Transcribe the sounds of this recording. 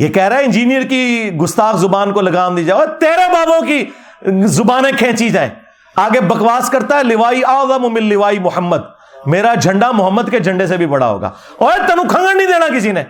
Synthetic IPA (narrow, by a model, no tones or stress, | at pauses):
jeːkɛɦɾaːɦɛɪ̃nd͡ʒiːnijəɾkiɡʊst̪aːkzʊbaːnkolɐɡaːmd̪iːd͡ʒaːɾt̪eːɾebaːbõki | zʊbaːnẽkʰɛ̃ːt͡ʃid͡ʒaːḛ̃ː | aːɡebɐkʋaːskɐɾt̪aɦɛlɪʋaːiaːzamʊ̃mɪ̃lːɪʋaːimʊhəmːəd̪ | meːɾad͡ʒʱɐ̃ɳɖamʊɦəmːəd̪ked͡ʒʱɐ̃ɳɖes̬ebʱibɐɽa̰ɦo̰ːɡa̰ː | ɔːet̪ɐnũkʰɐ̃ŋɡəɽnĩd̪eːnakɪsineː